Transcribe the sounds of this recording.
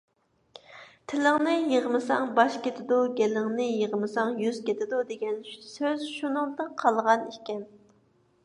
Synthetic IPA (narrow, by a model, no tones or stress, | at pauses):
t̪ʰɪlɪŋnɪjəʁmɨsɑŋbɑʃkʲet̪ʰɪd̪uɡʲɛlɪŋnɪjəʁmɨsɑŋjyz̥kʲet̪ʰɪd̪ud̪eɡʲɛnsøzʃunɨŋd̪ɨnqʰɑlˠʁɑnikʲɛn